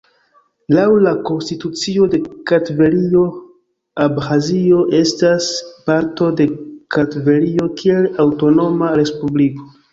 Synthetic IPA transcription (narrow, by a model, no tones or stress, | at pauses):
lawlako̞nstitut͡sio̞de̞katve̞ɾio̞ | abhazio̞ʔe̞staspaɾto̞de̞katve̞ɾio̞kʰie̞lawto̞no̞maɾe̞spubliko̞